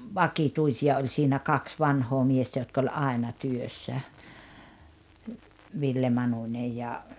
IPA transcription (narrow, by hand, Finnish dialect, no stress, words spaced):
ʋɑkituisiɑ olʲ siːnæ kɑks ʋɑnhoː miestæ jotk olʲ ɑˑenɑ tyøsːæ ʋilːe mɑnunʲej jɑ